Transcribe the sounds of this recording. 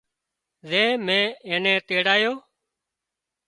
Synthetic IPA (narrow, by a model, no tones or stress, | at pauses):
zeːmẽːẽːnẽːt̪eːɽaːjoː